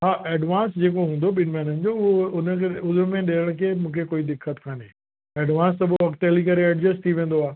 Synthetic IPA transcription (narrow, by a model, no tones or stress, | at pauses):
ɦaːʔɛːɖʋãːnsd͡ʑeːkoɦũːn̆d̪oɓɪnmɛːnənɪ̆d͡ʑoʊɦoʊnə̆kʰeʊzɾmẽɗeːəɽ̃ʊkʰeːmũːkʰekoːid̪ɪkʰːət̪kʰaːne | ɛːɖʋãːns̬t̪ɐɓoʋɐkʈelikɐɾeɛːɖd͡ʑəst̪ʰiʋẽːn̆d̪oaː